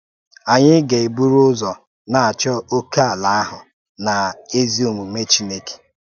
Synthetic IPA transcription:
a˨ɲɪ˦ɡe˨e˨bu˦ɾu˦ʊ˦zɔ˨ | na˨a˨t͡ʃɔ˦o˦ka˦a˨la˦a˦ɦʊ˨ | na˨e˦zi˦o˨mu˨me˦t͡ʃi˦ne˦ke̥˨

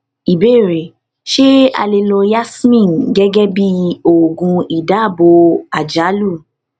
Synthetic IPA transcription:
i˨be˦˨ɾe˨ | ʃe˦a̰˧le˧lo˧ja˦smĩ˦˨n˨ɡɛ˦ɡɛ˦bi˦o˦˨ɡũ˧i˨da˨˦˨bo˧a˨d͡ʒa˨˦lu˦˨

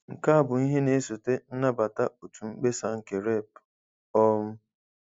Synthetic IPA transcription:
ŋ̩˨ka˦a˦˨bʊ˨i˦ɦe˦ne˦so˨te˦n̩˦na˦ba˨ta˦o˨tu˨ŋ͡m̩˦k͡pe˦sa˨ŋ̩˨ke˨ɾe˦˨p | ɔ˦m̩˦

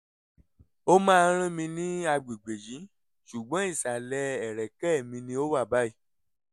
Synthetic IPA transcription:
o˦mãː˦˧ɾ̃ĩ˦mĩ˧nĩ˦a˧ɡ͡bi˨ɡ͡be˨jĩ˨˦ | ʃu˨ɡ͡bɔ̃˨˦i˦˨sa˨lɛ˧˦ɛ˨ɾɛ˨kɛ˦˨mĩ˧nĩ˧o˦wa˦˨ba˦i˦˨

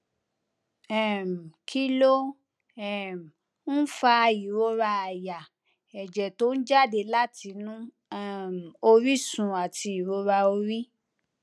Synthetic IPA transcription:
ɛ˦˨m̩˨kʰi˦lo˦ | ɛ˨m̩˨ | n̩˦fa˧i˨ɾo˧˦ɾa˧a˨ja˨ | ɛ˨d͡ʒɛ˨to˨˦n̩˦d͡ʒa˦˨de˧la˦˨tʰi˧˦nũ˦ | ɛ˦˨m˨o˧ɾi˦sũ˨˧a˨ti˧i˨ɾo˧˦ɾa˧o˧ɾi˦

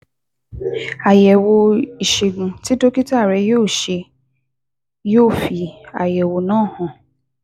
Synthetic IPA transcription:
a˨jɛ˨wo˧i˨ʃe˨ɡ̩̃˨ti˦to˦ki˦ta˦˨ɾɛ˧˦joː˦˨ʃe˧ | joː˦˨fi˧a˨jɛ˨wo˧nãː˦˨hɔ̃˨

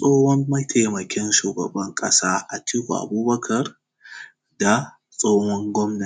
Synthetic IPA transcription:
sʼoː˦hɔ˦mːɐ˦jtʰa˨jmɐ˨kʲɛ˦nʃuː˨ɡɐ̰˨bɐ˦ŋkʼɐ˦saː˦ʔa˨ti˦kʷṵ˨ʔa̰˨buː˦bɐ˦kʰɐ˨r | da˨ | sʼoː˦hɔ˦ŋɡʷɔ˦mna˨

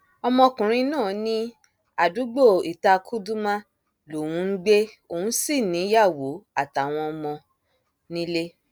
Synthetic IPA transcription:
ɔ˧mɔ̃˧kũ˨ɾ̃ĩ˧nãː˦˨nĩ˦ | a˨du˨˦ɡ͡bo˦˨i˨ta˧kʰu˦du˦mã˦ | lo˨w̃ũ˨˧˦n̩˦ɡ͡be˦ | o˨hũ˨˦si˦˨nĩ˨˦ja˦˨wo˨˦a˦˨ta˨˦˨w̃ɔ̃˧ɔ˧mɔ̃˧ | nĩ˦le˦

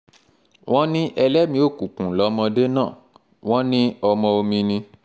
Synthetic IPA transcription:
w̃ʔɔ̃˦nĩ˦ʔɛ˧lɛ˦mĩ˧˦o˦˨kũ˨kũ˨lɔ˨˦mɔ̃˧de˦nãː˦˨ | w̃ɔ̃˦nĩ˦ɔ˧mɔ̃˧o˧mĩ˧nĩ˧

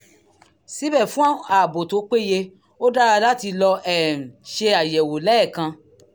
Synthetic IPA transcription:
si˨˦bɛ˦˨fũ˦ã˦a˨bo˨to˨˦k͡pe˦˨je˧ | o˦da˦ɾa˧la˦ti˧lɔ˧ʔɛ̃˦˨ʃe˧a˨jɛ˨wo˨lɛ˨˦˨kã˧

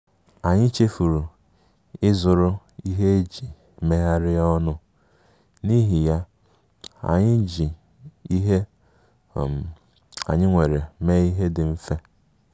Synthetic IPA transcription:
a˨ɲɪ˦t͡ʃe˦fu˨ɾu˨ | ɪ˦zʊ˨ɾʊ˦ | i˦ɦe˦e˦d͡ʒi˨ | me˦ɦa˦ɾɪ˦ɔ˦nʊ˦ | ni˦ɦi˨ja˦ | a̰˨ɲɪ˦d͡ʒi˨ | i˦ɦe˦˨ | a̰˨ɲɪ˦ŋʷe˨ɾe˨me˦i˦ɦe˦dɪ˨m̩˦fe˦

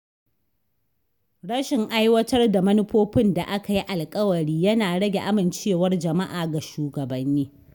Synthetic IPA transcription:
ɽɐ˦ʃɪ˨ŋʔa˦jwɐ˦tɐ˦rda˨mɐ˦nɪ˦ɸoː˦ɸɪ˦nda˨ʔa˦ka˨ji˦ʔa˨lkʼɐ˦wɐ˨ɽiː˦jɐ˦naː˨ɽɐ˦ɡʲe˨ʔa˦mɪ˨nt͡ʃeː˦˨wɐ˦rd͡ʒɐ˨ma˦ʔaː˨ɡa˨ʃuː˨ɡɐ˨bɐ˦nːiː˦

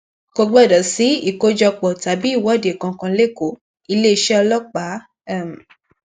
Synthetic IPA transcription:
ko˧ɡ͡bɛ˦˨dɔ˨si˨˦i˦˨ko˧˦d͡ʒɔ˧k͡pɔ˨ta˨˦bi˦i˦˨wɔ˨˦˨de˨kã˧kã˧le˦˨ko˨˦ | i˧le˦i˧ʃɛ˦ɔ˧lɔ˦k͡pa˨˦˨ | m˨

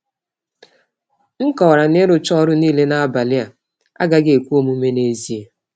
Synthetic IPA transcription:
ŋ̩˦kɔ˨wa˨ɾa˨ne˦ɾʊ˨t͡ʃɔ˦ɾʊ˦niː˦le˦na˦a˦ba˨lɪ˦a˨ | a̰˦ɡa˦ɡɪ˦e˨kʷu˦o˦mu˦me˦ne˦zi˨e˦

